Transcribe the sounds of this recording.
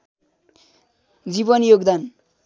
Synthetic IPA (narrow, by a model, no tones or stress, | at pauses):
d͡zibʌnjoɡd̪an